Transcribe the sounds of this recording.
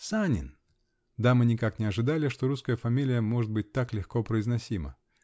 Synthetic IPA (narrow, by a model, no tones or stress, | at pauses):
sanʲɪ̰n | d̪amɨnʲɪkaknʲɪɐʐɨd̪alʲɪʂt̪o̞ɾuskəjəfɐmʲilʲɪjəmo̞ʐɨt̪̚bɨt̚ʲt̪aklʲɪxko̞pɾəɪznɐsʲimə̰